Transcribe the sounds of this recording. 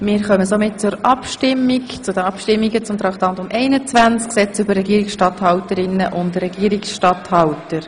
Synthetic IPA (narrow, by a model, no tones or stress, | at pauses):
mɪːɾχœməsomɪt̚t͡sʊɾɑpʃtɪmːikt͡sʊdənɑpʃtɪmːiɡət͡sʊmt̪ɾɑkt̪ɑntʊmʔɛɪnət͡svænt͡sksɛt͡sʏbərːɛɡiəɾɪksʃtɑthɑwtəɾɪnːəʔʊndɾɛɡiəɾiksʃtɑthɑltəɾ